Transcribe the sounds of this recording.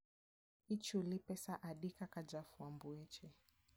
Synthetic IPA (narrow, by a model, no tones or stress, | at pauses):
it͡ʃulipɛsaʔaɗikakad͡ʒafuambuɛt͡ʃɛ